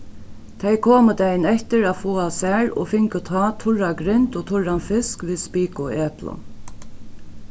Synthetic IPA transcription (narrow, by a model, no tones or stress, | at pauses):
t̪ʰejkʰoːməd̪ɛjnɛht̪ɪɾæːfuːasæːɻɔ̰fɪŋkət̪ʰɑːt̪ʰʊɻaɡɾɪnt̪ɔt̪ʰʊɹanfɪskʋiːðspiːkʊeːplʊ̰n